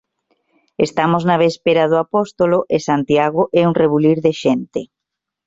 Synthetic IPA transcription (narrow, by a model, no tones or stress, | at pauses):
est̪amoznaβespeɾɐðʊapɔst̪oloʔesant̪jaɣʊʔɛuŋreβuliɾðeʃɛnt̪ɪ